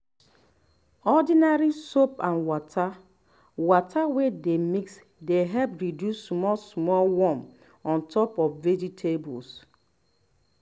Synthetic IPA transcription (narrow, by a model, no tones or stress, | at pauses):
ɔdinaɹisopãnwɔtʰa | wɔtʰawedemiks | deɦɛlpɹidjusːmɔsmɔlwɔm | ɔ̃ntʰɔpɔfved͡ʒitʰebɔ̰ls